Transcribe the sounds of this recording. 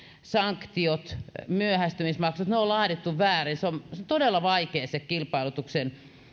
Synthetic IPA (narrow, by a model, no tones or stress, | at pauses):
sɑŋkt̪iot̪myøhæst̪ymismɑksot̪neolɑːdet̪ːuʋʋæːrinseomsont̪odelːɑʋɑikeːsekkilpɑilut̪uksen